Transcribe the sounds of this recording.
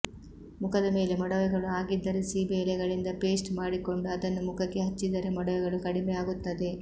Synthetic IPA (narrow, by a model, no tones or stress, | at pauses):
mukʰɐd̪ɐme̞ːle̞mɐɽɐʋɛɡɐɭuaːɡid̪ːɐɾesibeːlɛɡɐɭind̪ɐpe̞ːsʈmaːɽiko̞ɳɖuɐd̪ɐnːumukʰɐkːe̞ɦɐt͡ʃːid̪ɐɾe̞mɐɽɐʋɛɡɐɭukɐɽimɛjaːɡut̪ːɐd̪e̞